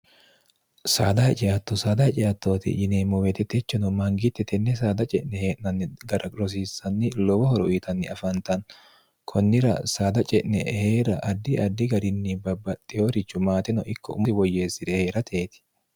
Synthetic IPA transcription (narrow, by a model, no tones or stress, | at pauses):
sa̰ːd̪ɐhɛt͡ʃʼɪjat̪ːɔsaːd̪ɐhɛt͡ʃʼɪjat̪ːo̞ːt̪ɪ̰ʔɪneːmɔwɛt̪ɛt̪ɛt͡ʃːɔnɔmɐŋɡɪt̪ːɛt̪ɛnːɛs̬aːd̪ɐt͡ʃʼɛʔnɛheːʔnɐnːɪɡɐɾʔɐkʼɾɔs̬iːsːɐnːɪlɔwɔhɔɾɔʔit̪ʰɐnːɪɐfɐnt̪ɐn | kʰɔnːɪɾɐ̰saːd̪ɐt͡ʃʼɛʔnɛ̰heːɾɐʔɐd̪ːɪɐd̪ːɪɡɐɾɪnːɪbɐbːɐt̪ʼːɪjoːɾɪt͡ʃːʊmaːt̪ɪnɔʔɪkːɔʊmʊsɪwɔjːe̞ːsːɪd̪ɛheːɾɐt̪ʰe̞ːt̪ɪ̥